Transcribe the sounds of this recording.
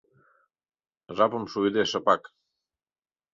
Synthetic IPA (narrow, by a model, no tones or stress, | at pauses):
ʐapəmsuid̪eʃəpak